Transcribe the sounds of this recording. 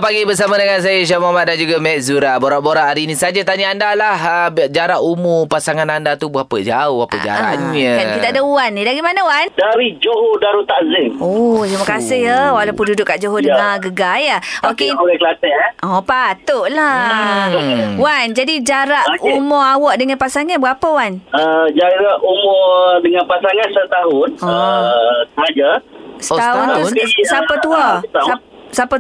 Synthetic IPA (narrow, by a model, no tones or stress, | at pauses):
paɡibəs̬amanəŋans̬ajaʃamamat̪̚dand͡ʒuɡamɛɛʔ̚zuɾaboɾaʔboɾaʔaɾinisad͡ʒat̪aɲaandalahd͡ʒaɾaʔumupasaŋanandat̪ubuapəd͡ʒaʊhapəd͡ʒa̰ɾa̰ɲəait̪aʔdəuanːidaɡimanawandaɾid͡ʒoɦodaɾut̪azɪŋɔt̪ɾiməkasɪɦəwalawpʊndudʊʔkaʔd͡ʒoɦodəŋaɡəɡajaokeuɾɛkəlat̪ɛɔpat̪oʔla | wand͡ʒadid͡ʒaɾaʔumɔawɔʔdəŋanpasaŋanbəɾapəwanəd͡ʒaɾaʔumɔdəŋanpasaŋãnsət̪aɦʊnəsəɦad͡ʒast̪aʊnasapat̪uat̪a | sapa